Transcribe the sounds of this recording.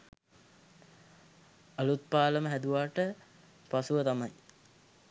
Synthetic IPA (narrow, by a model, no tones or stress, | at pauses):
alut̪̚paːləməɦæd̪uʋaːʈə | pasuʋət̪amɐj